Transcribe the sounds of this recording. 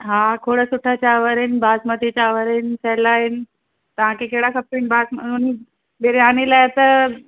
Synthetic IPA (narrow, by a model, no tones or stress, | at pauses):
ɦãkʰoɽəsuʈʰat͡ɕaʋəɾinbasmət̪it͡ɕaʋəɾinsɛlaɦin | t̪əʋãkekeɽakʰəpːiɳbasmuni | beɾianilaet̪ə